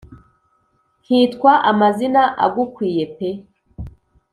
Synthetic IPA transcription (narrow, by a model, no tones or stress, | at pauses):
hiːtkwaʔamazinaʔa̰ɡukwiːje̞pe